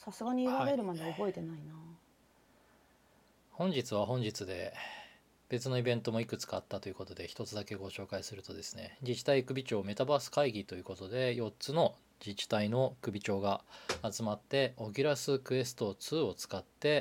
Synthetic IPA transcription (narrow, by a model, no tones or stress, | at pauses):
sasɨɡaɲ̟iiɾaɾe̞ɾɯ̟mad̪eobo̞et̪e̞naina | hõ̞ɲ̟d͡ʑit͡sɨβaɦõ̞ɲ̟d͡ʑit͡sɨd̪e̞̰ | b̥e̞t͡sɨno̞ibẽ̞nt̪o̞mo̞ikɯ̟t͡sɨ̥kaːt̪ːat̪o̞jiɯ̟ko̞t̪o̞d̪e̞çi̥t̪o̞t͡sɨd̪ake̞ɡo̞ɕo̞ːkaisɨɾɯ̟t̪o̞d̪e̞sɨ̥ne̞̰d͡ʑit͡ɕi̥t̪aikɯ̟bʲit͡ɕo̞ːme̞t̪abasɨ̥kaiɡʲit̪o̞jɯ̟ko̞t̪o̞d̪e̞jo̞tt͡sɨno̞ | d͡ʑit͡ɕi̥t̪aino̞kɯ̟bʲit͡ɕo̞ːɡaat͡sɨmat̪ːe̞o̞ɡʲiɾasɨkɯ̟e̞sɨ̥t̪o̞t͡sɨːo̞t͡sɨ̥kat̪ːe̞